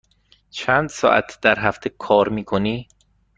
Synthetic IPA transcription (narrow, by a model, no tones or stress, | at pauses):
t͡ʃʰæːnd̪̥sɒ̰ːʔæ̰t̪ʰd̪̥æɾɦæft̪ʰekʰɒːɾmiːkʰoniː